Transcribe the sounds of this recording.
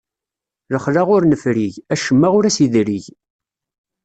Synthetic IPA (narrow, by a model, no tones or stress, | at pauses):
ləχlaʁʊɾnəfɾiʝæʃəmːaʁʊɾæsiðɾiʝ